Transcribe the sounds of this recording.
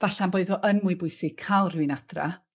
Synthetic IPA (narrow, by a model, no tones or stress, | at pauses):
vaɬanboːɨðɔʔənmʊɨbʊɨsɪkʰalˠrɪwɪnad̥ra̰